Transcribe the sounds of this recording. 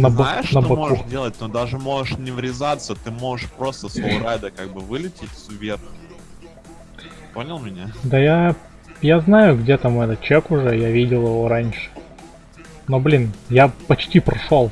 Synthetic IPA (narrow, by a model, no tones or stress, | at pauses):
nəb̪ɪʂnəbɐkudʲelˠət̚ʲnod̪aʐɨmo̞ʐɨʂnʲɪvɾʲɪzat̪sət̪ɨmo̞ʐɨʂpɾo̞st̪əsoɾajd̪əkaɡ̚bɨvɨlʲɪtʲɪtʲsʲʊvʲerx | po̞nʲɪlˠmʲɪnʲad̪aja | jaznajʊɡdʲe̞t̪amɛt̪ət̪̚t͡ɕekʊʐɛjavʲidʲɪlˠɪvoɾanʲʂɨ̥ | no̞blʲinjapɐt͡ɕtʲipɾɐʂolˠ